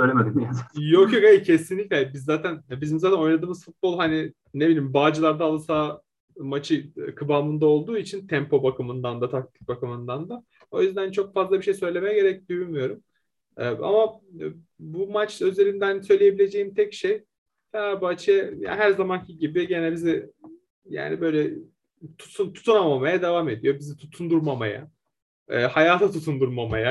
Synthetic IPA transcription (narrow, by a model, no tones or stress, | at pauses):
øjlʲeɛmed̪imjajo̞kjo̞kejcʰe̞sinlʲiclʲehbizːaːt̪ʰænbizimzaːt̪ʰæno̞jnad̪ɯːmɯzfut̪̚bo̞lˠɦani | ne̞bilʲiːimbaːd͡ʒɯlˠaɾd̪aːlˠɯsaː | mat͡ʃʰɯkʰɯbaːmɯnd̪ao̞lˠd̪uːit͡ʃʰint̪ʰɛmpʰo̞bakʰɯmɯnd̪and̪at̪ʰak̚t̪ʰi̥c̚bakɯmɯnd̪and̪a | o̞jyzd̪ænt͡ʃʰo̞k̚fazlˠabiʃe̞jsø̞jlʲe̞mɛɟe̞ɾɛc̚d̪yjymyjo̞ɾum | ɛʔa̰ma | bumat͡ʃø̞ze̞lʲimd̪ænsø̞jlʲeje̞bilʲe̞d͡ʒejimt̪ʰɛcʃej | fɛnaɾbat͡ʃʰɛja̰ɦæɾzamancʰiɟibiɟenɛbizi | ja̰ːnibø̞jlʲɛ | t̪ʰu̥sunt̪ʰu̥t̪ʰunamamajad̪evaːme̞d̪ijo̞bizit̪ʰut̪ʰund̪uɾmama̰ja̰ | ɛːhajaːt̪ʰat̪ʰut̪ʰund̪uɾmamaja